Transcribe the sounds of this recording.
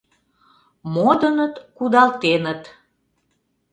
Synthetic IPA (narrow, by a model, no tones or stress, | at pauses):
mod̪ənət̪kud̪ɑlt̪enət̪